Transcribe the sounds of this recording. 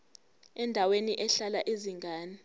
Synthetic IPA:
ɛndʱaweniʔɛɬalaʔiziŋɡaːni

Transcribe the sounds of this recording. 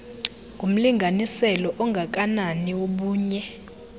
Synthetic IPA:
ŋɡʱum̩liŋɡʱanisɛlɔʔɔŋɡʱak̬ʼananiwoɓuːɲɛ

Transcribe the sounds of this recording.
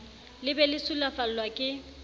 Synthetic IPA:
lɪbɛlɪsulafal̩lwakʼɪ

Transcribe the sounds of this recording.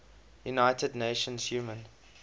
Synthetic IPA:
junaɪtədneɪʃə̃nz̥juːmə̃n

